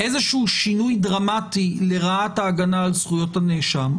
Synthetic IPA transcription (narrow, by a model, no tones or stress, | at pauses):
ʔezeʃuuʃinujdʁamatile̞ʁaataːɡanaːlsχujo̞thaneʃam